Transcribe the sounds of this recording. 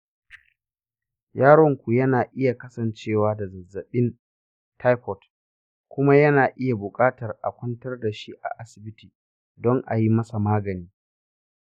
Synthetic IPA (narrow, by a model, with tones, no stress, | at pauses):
jaː˦ɽɔ˦ŋkʷu˨jɐ˦naː˨ʔɪ˦ja˨kɐ˦sɐ˨nt͡ʃeː˦˨waː˦da˨zɐ˨zːɐ˨ɓɪ˦n | tʰa˦jkɔ˨t | kʷʊ˦ma˦jɐ˦naː˨ʔɪ˦ja˨bʊ˨kʼaː˦tɐ˨rʔa̰˨kʷɐ˦ntɐ˦rda˨ʃi˦ʔa̰˨ʔa˦sɪ˨bɪ˦tiː˨ | dɔ˦ŋʔa̰˨ji˦mɐ˦sa˨maː˦ɡɐ˨niː˦